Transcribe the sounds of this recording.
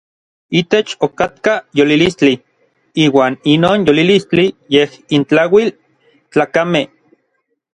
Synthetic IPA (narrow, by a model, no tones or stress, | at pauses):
it̪et͡ʃokat̪kajolilist͡ɬi | iːwaːninoːnjolilist͡ɬijehint͡ɬawil | t͡ɬaːkame